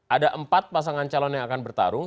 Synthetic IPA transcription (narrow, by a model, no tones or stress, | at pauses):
ʔadaʔəmpat̪̚pas̬aŋant͡ʃalɔnjaŋakanbərt̪a̰ɾʊŋ